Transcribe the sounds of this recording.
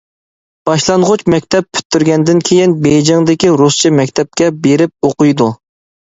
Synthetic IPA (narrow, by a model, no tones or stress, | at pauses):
b̥ɑʃlˠɑnʁʊt͡ʃmɛkʲt̪ʰɛp̚pʰːy̥t̪ʰːyɾɡʲɛnd̪ɪnkʲʰejinbejd͡ʒɪŋd̪ɪkʲiɾust͡ʃʰimɛkʲt̪ʰɛp̚kʲɛbeɾɪp̚oqʊjd̪u